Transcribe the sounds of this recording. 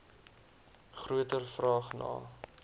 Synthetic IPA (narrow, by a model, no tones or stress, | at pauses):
χruətərfrɑːχnɑ̰ː